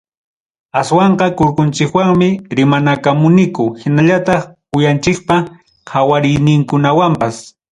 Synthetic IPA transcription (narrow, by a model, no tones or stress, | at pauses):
aswɑɴqɑkʊɾkʊnt͡ʃɪkwaŋmɪɾɪmanakamʊnɪkʊhɪnaʎat̪ɑχpʊjant͡ʃɪk̚pa | qʰawaɾɪjnɪŋkʊnawampas